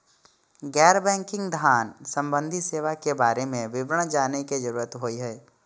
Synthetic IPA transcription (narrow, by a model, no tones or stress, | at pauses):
ɡɛːɾbɛ̃ːŋkɪ̃ŋɡd̪ʱaːnsə̃mbə̃nd̪ʱiseːʋakebaːɾemẽʋɪbɾəɳ̃d͡ʒaːneked͡ʒəɾuːɾət̪ɦoːiɦɛː